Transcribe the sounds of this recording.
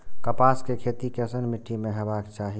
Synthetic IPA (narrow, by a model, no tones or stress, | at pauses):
kəpaːskekʰeːt̪ikeəsənmiʈʰːimẽɦɛbaːkt͡ʃaːɦi